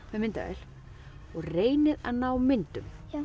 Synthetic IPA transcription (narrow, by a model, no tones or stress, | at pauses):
mɛðmɪnt̪a̰ɛ̰l̥ | ɔɣreːjnɪða̰ðnaːwmɪnt̪ʏm